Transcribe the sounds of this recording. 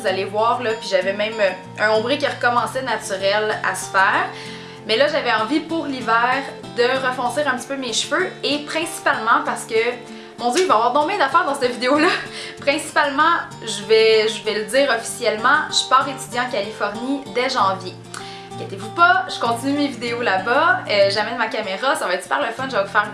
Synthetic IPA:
uzalevwɑːʁlʌpɥiʒavɛmɛ̃ɪmø | œ̃ɔ̃bʁikʲiʁəkɔmɑ̃sɛnat͡s̪yʁɛla̰sə̥fɛːʁ | mɛlʌʒavɛɑ̃vipʊʁlivæːʁ | d̪əʁəfɔ̃sɪːʁɛ̃pət̪i̥pømeʃføepχɛ̃si̥palmɑ̃paʁsə̥kə | mɔ̃d̪jøivaːvwɑʁd̪ɔ̃mɛ̃d̪afɛːʁd̪ɑ̃sətvid̪eolʌpχɛ̃si̥palmɑ̃ | ʒəvɛʒəvɛləd͡ziːʁɔfi̥sjɛlmɑ̃ʒ̥əpaːʁlet̪yd̪jɑ̃kʲalifɔʁnid̪ɛʒɑ̃vje | kʲet̪evupʌʒəkɔ̃t̪inymevid̪eolabaəʒamɛnmakameʁasavaɛt̪pa̰ʁləfɔnʒəvavufɛːʁ

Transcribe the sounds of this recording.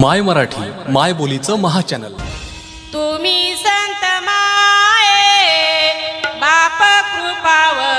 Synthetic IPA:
majməɾaʈʰḭːmajbolit͡səməɦat͡ɕænə̰l | t̪umisənt̪əmaɦe | bapəkupaʋə

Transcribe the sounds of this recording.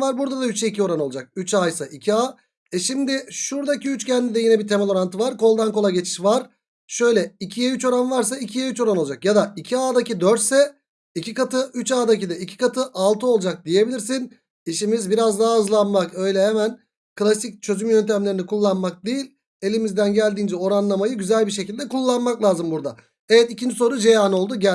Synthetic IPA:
vaɾbuɾd̪ad̪ayt͡ʃɛicʰio̞ɾano̞lˠd͡ʒak̚yt͡ʃajsaʔicʰiaː | ɛʃimd̪ɪʃuɾd̪aciyt͡ʃcɛnd̪id̪ɛjinɛbit̪ʰemɛlʲˠo̞ɾant̪ʰɯvaɾko̞lˠd̪ankolˠaɟe̞t͡ʃʰi̥ʃvaɾ̥ | ʃø̞jlʲɛicʰijɛyt͡ʃo̞ɾanvaɾs̬aicʰijɛyt͡ʃo̞ɾano̞lˠd͡ʒakjad̪aicʰiaːd̪acid̪øɾt̪sɛ | icʰikat̪ʰɯyt͡ʃaːd̪acid̪ɛicʰi̥kat̪ʰɯʔalˠt̪ʰɯo̞lˠd͡ʒak̚d̪ije̞bilʲiɾsin | iʃimizbiɾazd̪aɦːzlˠanmakø̞jlʲɛɦemæn | kɯlˠasic̚t͡ʃʰø̞zymjønt̪ʰæmlʲe̞ɾinikʰulˠːanmak̚d̪ejilʲ | e̞lʲimizd̪ænɟælʲd̪iːnd͡ʒɛo̞ɾanlˠamajɯɟyzælʲbiɾʃecilʲd̪ɛkulˠːanmaklʲˠaːzɯmbuɾd̪a̰ | evɛt̪icʰind͡ʒiso̞ɾud͡ʒejaːno̞lˠd̪uɟæ

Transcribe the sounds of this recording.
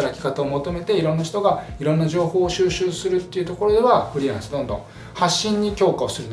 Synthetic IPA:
aɾakʲi̥kat̪ao̞mo̞t̪o̞me̞t̪e̞iɾõ̞nːaçi̥t̪oɡaiɾõ̞nːaʑo̞ːho̞ːɕɨːɕɨːsɨɾɯ̟t̪ːe̞iɯ̟t̪o̞ko̞ɾo̞d̪e̞βaɸɯ̟ɾʲiãɰ̃sɨd̪õ̞nd̪õ̞ | haɕːĩɲ̟ːikʲo̞ːkao̞sɨɾɯn

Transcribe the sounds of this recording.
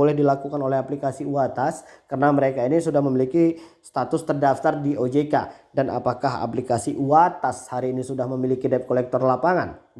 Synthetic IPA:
olɛhdilakukanolɛhɦaplikasiuat̪askərənaməɾekainisudahməmilikist̪at̪ʊst̪ərdaft̪ardiʔod͡ʒeka̰dana̰pakaɦa̰plikasiʔuat̪ashaɾiːnisudahməmilikidɛp̚kolɛk̚t̪ɔrlapaŋan

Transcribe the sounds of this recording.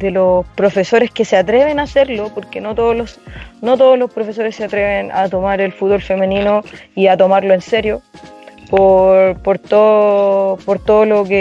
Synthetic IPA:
d̪elosspɾo̞fe̞so̞ɾe̞skeseat̪ɾe̞βenaseɾlopoɾkenot̪oðolosnot̪̬oðozlo̞spɾo̞fe̞s̬o̞ɾesːeat̪ɾeβena̰t̪o̞maɾelfut̪̚βolfe̞meninoiat̪o̞maɾloenseɾjo̞popoɾt̪oopoɾt̪oðoloke

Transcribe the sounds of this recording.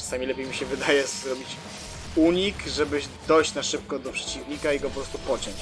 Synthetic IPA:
ḁsamʲilɛpʲejmʲiɕɛvɘd̪ajɛzɾɔbʲit͡ɕ | uɲikʐɛbɘd̪ɔjɕt͡ɕnaʂɘp̚kɔd̪ɔpʂɛ̥t͡ɕivɲikaiɡɔpɔpɾɔst̪upɔt͡ɕɔɲt͡ɕ

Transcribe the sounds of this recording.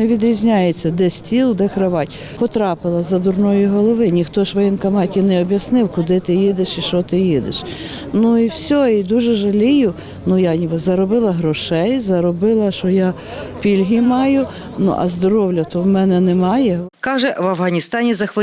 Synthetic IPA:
neʋʲid̪ɾʲizʲnʲajet͡sʲːɐd̪ɛsʲtʲilˠd̪ɛkɾɪʋɑtʲ | pɔt̪ɾɑpɪlˠɐzɐd̪ʊrnɔjiɦɔlˠɔʋɪnʲixt̪ɔʃʋɐjɛnkɐmɑtʲinɛɔbʲjɐsnɪwkʊd̪ɪt̪ɪjid̪ɪʃiʃt͡ʃɔt̪ɪjid̪ɪ̰ʃ | nuiwsʲɔid̪uʒɛʒɐlʲijʊ | nujanʲibzɐɾɔbɪlˠɐɦɾɔʃɛjzɐɾɔbɪlˠɐʃɔjɑ | pʲilʲɦimɑjʊ | nṵʔɐ̰zd̪ɔɾɔwlʲɐt̪ɔwmɛnɛnɛmɑjɛkɑʒɛʋɐwɦɐnʲist̪ɑnʲizɐxʋɐ

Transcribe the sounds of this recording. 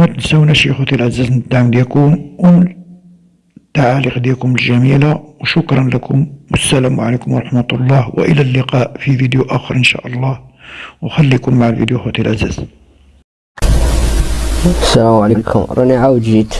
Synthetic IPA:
mæt̪nsæwnæʃixwæt̪ilʔæzæznət̪̚d̪aʕmd̪jækʊmʔl | t̪ːaʕaliqd̪jækʊməlʒæmilawʃʊkɾˤɑnlækʰʊmwəsːælæmwʕalikʊmwɾˤɑħmæt̪ʊlˤːɑhw̰ʔə̰lælːəqɑʔfivid̪juʔæxəɾˤʔənʃæ̰ʔɑlˤːɑhwxælːikʊmːaʕəlvḭd̪juxut̪ilʔæzæ̰z̥ | sælæmʕalikʰʊ̰mɾˤɑniʕawd̪ʒit̪

